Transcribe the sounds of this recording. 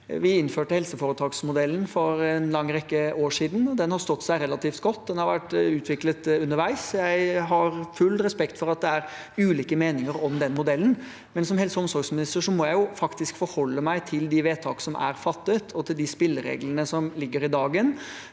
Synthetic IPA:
ʋɪɪnføːʈəhɛlsəfoːɾət̪ʰɑːɡsmʊd̪ɛlːən̩fɔɾɛnlɑŋːɾɛkːəoːʂiːd̪n̩ɔd̪ɛnhɑɾst̪ɔt̪ːsæɪɾɛlɑt̪iːft̪̚ɡɔt̪ːd̪ɛnhɑɾʋæʈːʉːt̪ʰʋɪklət̪ʉnːəɾʋæɪsjæɪɦɑɾfʉlɾɛspɛkt̪fɔɾɑt̪̚d̪ɛæɾ | ʉːliːkəmeːnɪŋəɾɔmd̪ɛnmʊd̪ɛlːn | mɛnsɔmhɛlsəɔmsɔɾɡsmɪnɪst̪əɾʂɔmɔːjæɪjʊfɑkt̪ɪskfɔɾhɔlːəmæɪt̪ʰɪld̪ɪʋeːt̪ʰɑːksɔmʔæ̰ɾfɑt̪ːət̪ʰɔt̪ʰɪld̪ɪspɪlːəɾḛːɡlənəsɔmlɪɡːəɾɪd̪ɑːɡən

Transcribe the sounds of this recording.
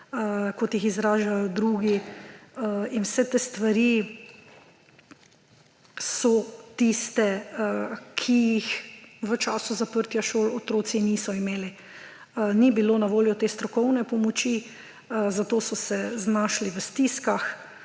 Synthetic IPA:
kɔt̪jixizɾaːʒajɔd̪ɾuːɡi | inwsɛt̪eːst̪ʋaɾi | sɔt̪ist̪ɛ | kʰijixʋət͡ʃaːsuzapəɾt̪jaʃoːlot̪ɾoːsiniːsɔimeːli | nibiloːnaʋoːljɔt̪eːst̪ɾɔkɔwnɛpɔmɔt͡ʃi | zat̪oːsɔsɛznaːʃliʋəst̪iskax

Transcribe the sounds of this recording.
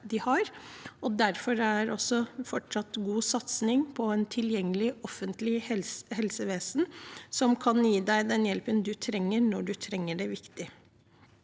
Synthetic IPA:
d̪ɪhɑɾɔd̪æɾfɔɾæɾɔsːɔfɔʈʂɑt̪ːɡuːsɑt̪snɪŋpʰɔɛːnt̪ʰɪljɛŋːəlɪɔfːənt̪lɪhɛlsəʋeːsnsɔmkʰɑnjiːd̪æɪd̪ɛnjɛlpənd̪ʉt̪ʰɾɛŋːəɾnɔɖʉt̪ʰɾɛŋːəɖɛʋɪkt̪ɪ

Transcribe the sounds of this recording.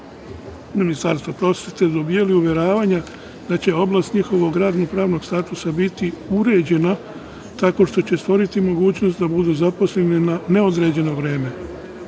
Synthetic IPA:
minist̪aɾst̪ʋopɾo̞sje̞t̪e̞d̪o̞bijeliuʋje̞ɾaːʋaɲa | d̪at͡ɕe̞o̞blast̪ɲixo̞ʋo̞ɡɾaːd̪nopɾaːʋno̞ɡst̪aːt̪usabit̪iuɾe̞ːd͡ʑe̞na | t̪ako̞ʃt̪o̞t͡ɕe̞st̪ʋo̞ɾit̪imo̞ɡuːt͡ɕno̞st̪d̪abud̪uzapo̞sle̞nenane̞od̪ɾe̞ːd͡ʑe̞no̞ʋɾe̞ːme̞

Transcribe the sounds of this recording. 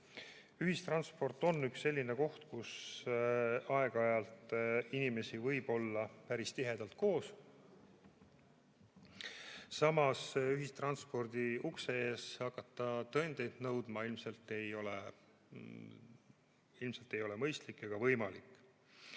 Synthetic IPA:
yɦist̪rɑnspo̞rt̪ːˑo̞nːyksːe̞lʲːine̞ko̞ht̪kus | ɑe̞ɡ̥ɑjɑlt̪inime̞sivɤjb̥o̞lːɑpæɾist̪iɦe̞d̪̥ɑlt̪̚ko̞ːs | sɑmɑsyɦist̪rɑnspo̞rd̪̥iukseeːshɑkːˑɑt̪ːɑt̪ɤend̪̥e̞jd̪̥nɤwd̪̥mɑilmse̞lt̪ːe̞jo̞le̞ | ilmse̞lt̪ːˑe̞jo̞le̞mɤjst̪likːˑɑɡ̥ɑvɤjmɑlikːˑ

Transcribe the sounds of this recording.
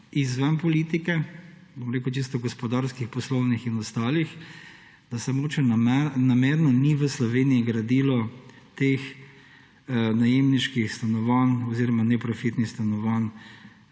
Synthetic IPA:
izʋənpɔliːt̪ikɛ | bomɾeːkut͡ʃis̬t̪ɔɡɔspɔd̪aɾskixpɔslownixinɔst̪aːlix | d̪̥asɛmoɡoːt͡ʃɛnnamɛɾnɔniʋəslɔʋeniiɡɾad̪ilɔ | t̪eːx | najemniʃkixst̪anɔʋanɔziːɾɔmanɛpɾɔfit̪nist̪anɔʋan

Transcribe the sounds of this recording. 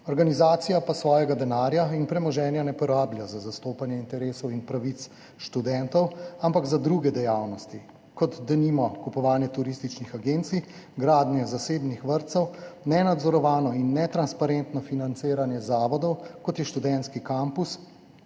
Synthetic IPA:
ɔɾɡanizaːt̪sijapasʋɔːjɛɡad̪ɛnaːɾjainpɾɛmɔʒɛːnjanɛpɔɾaːbljazazast̪oːpanjɛint̪ɛɾeːsɔwinpɾaʋit̪s | ʃt̪ud̪ɛnt̪ɔwampaɡzad̪ɾuɡɛd̪ɛjaːwnɔst̪i | kɔt̪d̪ɐnimɔkupɔʋaːnjɛt̪uɾist̪it͡ʃnixaɡent̪si | ɡɾaːd̪njɛzaseːbnixʋəɾt̪sɛwnɛnad̪zɔɾɔʋaːnɔinːɛt̪ɾanspaɾent̪nɔfinant̪seːɾanjɛzaːʋɔd̪ɔwkɔt̪jɛʃt̪ud̪ɛnt̪skikampus

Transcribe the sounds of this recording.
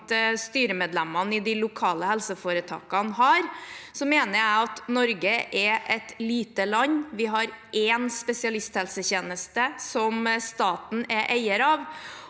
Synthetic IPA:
t̪əst̪yːɾəmeːd̪lɛmɑnɪd̪ɪlʊkʰɑːləhɛlsəfoːɾət̪ʰɑ̰ːkɑnɦɑːɾsɔmeːnəɾæɪɑt̪nɔɾɡəʔɛʔɛt̪liːt̪əlɑɲːʋɪɦɑɾʔɛnspɛsɪɑlɪst̪hɛlsəçeːnəst̪əsɔmst̪ɑːt̪n̩ɛʔæɪəɾɑːʋ

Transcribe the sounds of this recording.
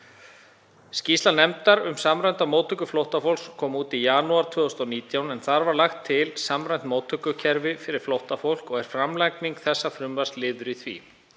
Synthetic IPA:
scist̪anɛmt̪aɾʏmsamɾajnt̪amowt̪ʰʏkʏflowht̪afowlkskʰɔːmuːt̪ijaːnuaɾ̥t̪ʰvœːðʏst̪ɔniːt̪jawnɛnθaɾvaɾlaxt̪ʰːɪlsamɾajn̥t̪moːwt̪ʰʏkʏcʰɛɾvɪfɪɾɪɾ̥flowht̪afowl̥kɔɣɛɾ̥fɾamlajkniŋkθɛsːafɾʏmvar̥lɪðɾʏθvḭ

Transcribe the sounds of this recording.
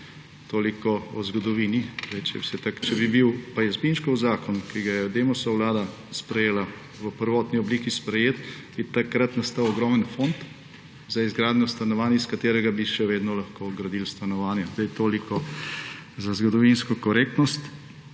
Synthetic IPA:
t̪oːlikɔɔzɡɔd̪ɔʋiːniɾet͡ʃɛ̰sɛt̪akt͡ʃɛbibiwpajɛzbinʃkɔwzaːkɔnkiɡajɛd̪eːmɔsɔwlaːd̪a | spɾɛjeːla | ʋəpəɾʋɔt̪niɔbliːkispɾɛjeːt̪b̥it̪akɾat̪nast̪aːwɔɡɾɔːmənfont̪ | zaizɡɾaːd̪nɔst̪anɔʋaːnjɛiskat̪eːɾɛɡabiʃɛʋeːd̪nɔlaxkoːɡɾad̪ilst̪anɔʋaːnjɛzd̪ajt̪oːlikɔ | zazɡɔd̪ɔʋinskɔkɔɾeːk̚t̪nɔst̪

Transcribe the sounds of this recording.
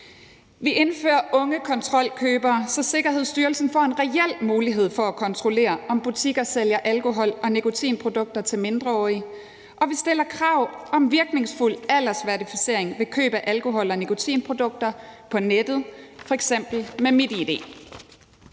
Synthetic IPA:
ʋiʔe̝nfø̰ːɐʔɔ̽ŋəkʰɒ̽nt͡sʰʁɒ̽l̰kʰøːb̥ɐːsɒ̽se̝ɡ̥ɐɦe̝ð̞̰ˠsd̥yːɐlsn̩fɒ̰ːe̝nʁɛel̰muːliɦe̝ð̞̰ˠfɒ̽ækʰɒ̽nt͡sʰʁo̝le̝̰ːɐʔɒ̽mb̥ut͡sʰiɡ̥ɐseljɐʔælko̝ɦɒ̽l̰ʔɒ̽nekʰo̝t͡sʰḭːnpʰʁo̝d̥ɔ̽ɡ̥̚d̥ɐt͡sʰe̝lme̝nd̥ʁɐɒːi | ʔɒ̽ʋisd̥e̝lɐkʰʁɑ̈ʊ̰ɒ̽mʋiɐɡ̥ne̝ŋsful̰æl̰ɐsʋæɐdifi̥se̝̰ɐ̰e̝ŋʋe̝kʰø̰ːb̥əʔælko̝ɦɒ̽l̰ɒ̽nekʰo̝t͡sʰḭːnpʰʁo̝d̥ɔ̽ɡ̥̚d̥ɐpʰɒ̽ned̥ð̞̩ˠfɒ̽eɡ̥sem̰b̥l̩memed̥iid̥e̝̰ː

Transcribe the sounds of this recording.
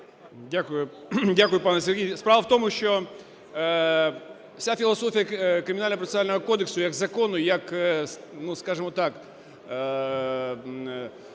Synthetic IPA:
dʲakʊjʊ | dʲakʊjʊpanɛsʲɛrɦʲijspɾaʋɐwt̪omʊʃt͡ʃɔ | wsʲafʲɪlˠɐsɔfʲijɐkɾɪmʲɪnalʲnɐpɾɔt̪nalʲnɔɦɔkɔd̪ɪksʊjɐɡzɐkonʊjɐk | nuskaʐɨmɔt̪ak

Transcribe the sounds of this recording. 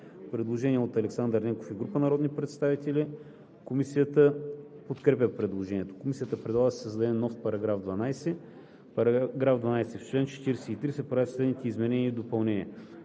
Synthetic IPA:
pɾɛd̪lˠoʒɛniɛot̪ɐlɛksand̪əɾnʲɛŋko̥fiɡɾupənɐɾɔd̪nipɾɛt̪st̪avit̪ɛli | komisijət̪əpot̪kɾɛpʲəpɾɛd̪lˠoʒɛniɛt̪o̥komisʲijət̪əpɾɛd̪lˠaɡəsəzd̪ɐɛnːɔfpɐɾɐɡɾavd̪vɐnajsɛ | pɡɾavd̪vɐnajsɛft͡ʃlɛnt͡ʃɛ̥t̪iɾɛsɛit̪ɾisɛpɾavit̪slɛd̪nit̪ɛizmɛnɛniːd̪opɐlˠnɛnʲiə

